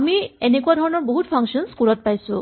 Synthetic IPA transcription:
mienekuad̪ʱɔɹɔnɔɹboɦutpʰaŋksɔnskuɾɔt̚pajsu

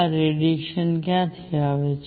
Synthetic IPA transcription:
ɾeɖikʃənkjãt̪ʰiaːʋet͡ʃ

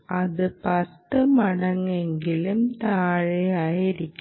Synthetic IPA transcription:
ɐðɨpɐt̪ːɨmɐɽɐŋːeŋɡilɯmt̪aːɻeaːjiɾikʲː

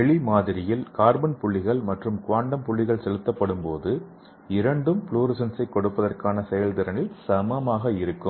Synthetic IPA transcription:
ɛɭimaːðɪɾɪjɪlkaːɾbɐnpʊɭːɪɣɐɭmɐʈrɯmkʊʋaːɳɖɐmpʊɭːɪɣɐɭsɛlɯt̪ːɐpːɐɽɯmpo̰ːðɯ | ɪɾɐɳɖɯmpɭuːɾɪsɐnsɐɪkːɔɽɯpːɐðɐrkaːnɐsɛjɐlt̪ɪɾɐnɪlsɐmɐmaːɣɐɪɾɯkːɯm

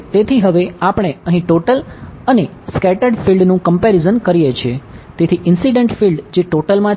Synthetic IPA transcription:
t̪et̪ʰiɦəʋeapəɳ̃eəɦĩʈoʈələne | skɛʈəɾɖfilɖnũkəmpɛɾizənkəɾijet͡ʃʰiet̪et̪ʰiʔɪnsiɖəɳʈfilɖd͡ʒeʈoʈəlmã

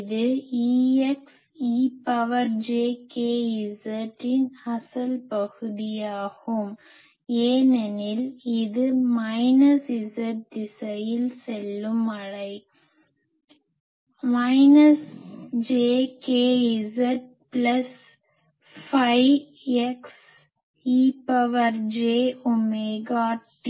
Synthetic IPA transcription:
ðɯiːɛks | iːpɐʋɐɾd͡ʒeːkeːɪsɐʈːɪnɐsɐlpɐɣɯðɪjaːɣɯm | eːnɛnɪlɪðɯmɐɪnɐsɪsɐʈ̚d̪ɪsɐjɪlsɛlːɯmɐɻɐɪ | mɐɪnɐsd͡ʒeːkeːɪsɐʈ̚ | plɐs | fɐɪ | ɛks | iːpɐʋɐɾd͡ʒeːɔmeɡaːʈ

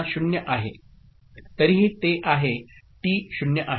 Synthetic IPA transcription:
ɕunjəʔaɦe | t̪əɾiɦiːt̪eʔaɦet̪iːɕunjəʔaɦ

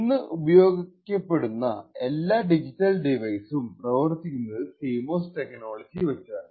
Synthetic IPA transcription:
inːɨʔubɐjo̞ːɡikʲːɐpːe̞ɽunːɐe̞lːaːɖid͡ʑitːɐlɖiʋɐjsumprɐʋɐrt̪ːikʲːunːɐðɨsiːmo̞ːsʈeknoːɭɐd͡ʑiʋɐt͡ɕːa

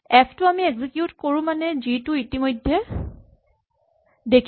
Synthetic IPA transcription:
ɛpʰtʊamieɡzikjutkoɹũmanɛzitʊitimojdʱːɛ | dekʰ

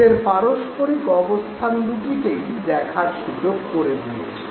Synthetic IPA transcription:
eɾpaɾoʃpoɾikɔbost̪ʰand̪uʈikejd̪ɛkʰaɾʃud͡ʑoɡkoɾebulḛe

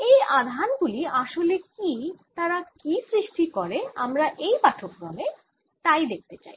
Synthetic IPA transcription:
ejad̪ʱanɡuliaʃolekit̪aɾakisɾiʃʈikɔɾeamɾaʔejpaʈʰokɾɔme | t̪ajd̪ek̚t̪et͡ɕa̰j

